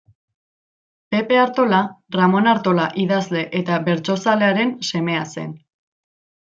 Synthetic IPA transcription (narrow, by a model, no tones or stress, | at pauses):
pe̞pe̞aɾt̪o̞laramo̞naɾt̪o̞laʔiðazle̞ʔet̪aβe̞ɾt͡so̞sale̞aɾe̞nse̞me̞ase̞̰n